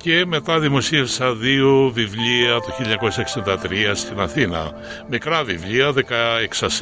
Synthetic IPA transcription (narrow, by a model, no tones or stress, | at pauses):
ce̞me̞t̪ɐðimo̞siefsɐðiuvivʎiɐt̪uçilɲɐko̞sɐeksind̪ɐt̪ɾiɐst̪inɐθinɐ̰ | mikɾɐvivʎiɐðekɐeksɐs